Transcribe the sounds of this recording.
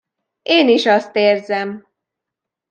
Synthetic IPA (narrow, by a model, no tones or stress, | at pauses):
eːniʃɒst̪eːrzɛm